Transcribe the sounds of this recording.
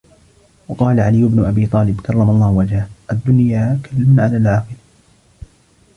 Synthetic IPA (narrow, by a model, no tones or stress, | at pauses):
wɑqɑːlaʕalɪjːʊbnʊʔabiːt̪ˤɑːlɪbkɑrˤːɑmɑlˤːɑːhwad͡ʒhaʔad̪ːʊnjaːkalːɪmnʕalaːlʕɑːqɨla